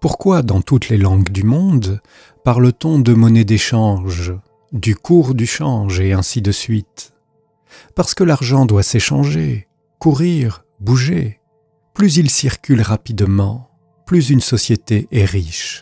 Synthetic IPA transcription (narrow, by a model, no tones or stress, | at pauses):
puʁkwad̪ɑ̃t̪ut̪lelɑ̃ɡd̪ymɔ̃d̪ | paʁlət̪ɔ̃d̪əmɔned̪eʃɑ̃ʒ | d̪ykʰuʁd̪yʃɑ̃ʒeɛ̃sid̪əsɥit̪ | paʁsə̥kəlaʁʒɑ̃d̪waseʃɑ̃ʒe | kuʁiʁ | buʒe | plyzilsiʁkʲylʁapid̪mɑ̃ | plyzynsɔsjet̪eʔɛʁiʃ